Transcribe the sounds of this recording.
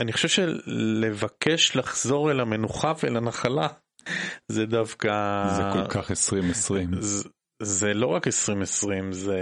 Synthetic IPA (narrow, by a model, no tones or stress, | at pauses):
aniχoʃevʃele̞vakʰeʃlaχz̥o̞ʁelamenuχavelanaχala | zed̪avkazekokaχesʁimesʁim | zelo̞ʁakesʁimesʁimze